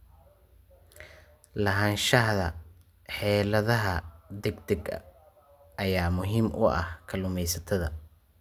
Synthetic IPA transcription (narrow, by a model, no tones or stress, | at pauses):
lɐɦaːnʃɐhðɐ̰ | ħɛːlɐðɐɦɐd̪ɛɡd̪ɛɡɐ̰ | ʔɐjaːmʊɦiːmʔʊ̰ʔɐ̰hkʰɐlʊmɛjsɐt̪ʰɐðɐ